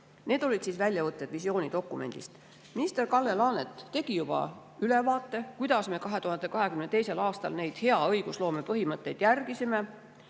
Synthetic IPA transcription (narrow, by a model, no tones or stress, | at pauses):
ne̞ːd̪̥o̞lʲid̪̥siːsvælʲjɑvɤt̪ːˑed̪̥visio̞ːnʲid̪o̞kːˑume̞̰nʲd̪̥ḭst̪ | minist̪erkɑlːelɑːnet̪ːe̞ɡ̥ijub̥ɑ̰ | ylevɑːt̪ːˑe̞kujd̪̥ɑsme̞ːkɑɦe̞t̪uhɑnd̪ekɑɦe̞kymnet̪ejse̞lɑːst̪ɑ̰lne̞jd̪̥he̞ɑɤjɡ̥uslo̞ːmepɤɦimɤt̪ːˑejd̪̥jærɡ̥isime